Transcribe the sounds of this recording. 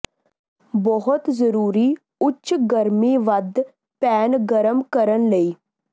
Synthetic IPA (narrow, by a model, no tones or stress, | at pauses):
bɔɦʊt̪zəɾuːɾi | ʊtːʃɡəɾmiʋad̪ʱː | pɛːnɡəɾəmkəɾənləiː